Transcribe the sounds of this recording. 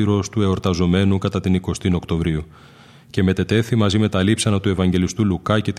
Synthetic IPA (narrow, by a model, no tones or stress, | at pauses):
iɾo̞st̪ue̞o̞ɾt̪ɐzo̞me̞nukɐt̪ɐt̪iniko̞st̪ino̞kt̪o̞vɾiu | ce̞me̞t̪e̞t̪e̞θimɐzime̞t̪ɐlipsɐnɐt̪ue̞vɐɲɟe̞list̪ulukɐce̞t̪